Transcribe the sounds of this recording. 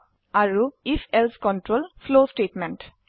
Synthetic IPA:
aɾuifʰelskɔɳʈɾoːlfloːsʈeːʈmẽɳʈ

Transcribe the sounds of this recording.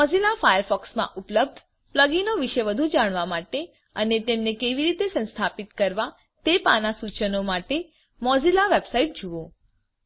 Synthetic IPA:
mɔzilafajəɾfɔksmã̰ʔʊpləb̚d̪ʱ | pləɡinoʋiʃeʋəd̪ʱũd͡ʒaɽ̃ʋamaʈe | ənet̪emnekeʋiɾit̪esə̃nst̪ʰapit̪kəɾʋa | t̪epanasut͡ʃənomaʈe | mɔzilaʋebsaiʈ̚d͡ʒuʋõ

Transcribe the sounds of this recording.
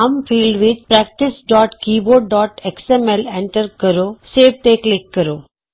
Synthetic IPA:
amfiːlɖʋit̪pɾɛk̚ʈɪsɖɔːʈkiːboːɖ̚ɖɔːʈeksemelẽɳʈəɾkəɾoseːb̚t̪eklɪkːəɾoː

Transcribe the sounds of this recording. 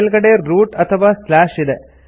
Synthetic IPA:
lɣɐɽeɾuːʈɐt̪ʰɐʋaːslaːʂid̪e

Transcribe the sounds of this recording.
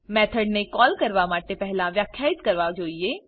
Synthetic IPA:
mɛːt̪ʰəɖnekɔːlkɐɾʋamaːʈepɛɦlãʋjaːkʰjaːɪt̪kɐɾʋad͡ʒoːieː

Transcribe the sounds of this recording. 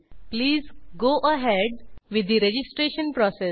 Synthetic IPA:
pliːzɡoːʔəɦɛɖʋɪd̪ːiɾed͡ʒɪsʈɾeːʃə̃npɾɔːse

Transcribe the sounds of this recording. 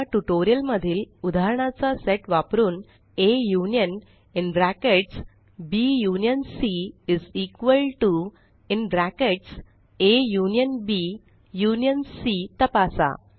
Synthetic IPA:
aʈuʈoɾijəlməd̪ʱiːlud̪ʱaɾɳ̃at͡saseʈʋapɾuːn | ejunijən | inɖɾækeʈs | bijunijənsiiziːkʋəlʈu | inɖɾækeʈs | ejunijənbi | junijənsit̪əpasa̰

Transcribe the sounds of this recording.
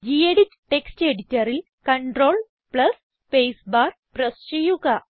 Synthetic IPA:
d͡ʑieɽit͡ɕʈeksʈeɽitəɾil | kəɳʈɾol | plɐs | pejsbaɾ | pɾəst͡ɕijuka

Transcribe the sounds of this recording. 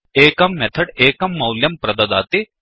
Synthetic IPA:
eːkɐmːet̪ʰɐɽeːkɐmːɐwljɐmpɾɐd̪ɐd̪a̰ːt̪i

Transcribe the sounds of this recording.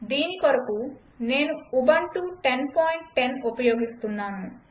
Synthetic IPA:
d̪iːnikɔɾɐku | nenubaɳʈuʈenpɔjɳʈʈenopɔjoːɡist̪unːamu

